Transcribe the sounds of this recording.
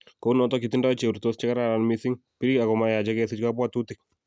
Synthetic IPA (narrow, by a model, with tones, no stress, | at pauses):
ko˦nɔtɔkiti˦nda˦t͡ʃe˨ɾtost͡ʃɪ˦ka˦ɾaɾa˨nmisi˦ŋpi˦ɾi˦ka˨kɔ˨maja˨d͡ʒɛkɛsɪ˦t͡ʃkapwa˦tutɪ˦k̚